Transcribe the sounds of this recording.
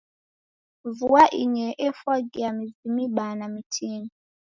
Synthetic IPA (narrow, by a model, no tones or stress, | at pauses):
vuaʔiɲɛʔɛfɔɡiamizimiɓanamitʰini